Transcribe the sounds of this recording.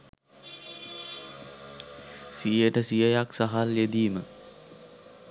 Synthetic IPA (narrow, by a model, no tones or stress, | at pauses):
sijəʈəsijəjaksaɦaljed̪iːmə